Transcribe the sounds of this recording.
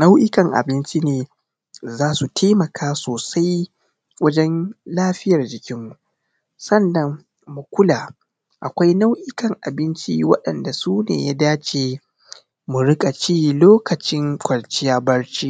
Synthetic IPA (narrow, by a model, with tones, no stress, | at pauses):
na˦wʔɪ˦kɐ˨ŋʔa̰˨bɪ˦nt͡ʃi˦neː˨ | zaː˦su˨tʰeː˦mɐ˨kʰaː˦soː˨sa˦j | wɐ˦d͡ʒɛ˦nlaː˦ɸɪ˦jɐ˨rd͡ʒɪ˨kʲɪ˦mːu˨ | sɐ˦˨nːɐ˨ŋː | u˨kʷʊ˦laː˨ | ʔa˨kʷa˦jna˦wʔɪ˦kɐ˨ŋʔa˨bɪ˦nt͡ʃi˦wɐ˦ɗɐ˨nda˨suː˦nḛː˨jaː˦daː˦t͡ʃeː˨ | mu˨ɾɪ˦kʼɐ˨t͡ʃiː˦loː˦kɐ˨t͡ʃɪ˦ŋkʷɐ˨lt͡ʃɪ˦jaː˦bɐ˦ɽt͡ʃiː˦ʔ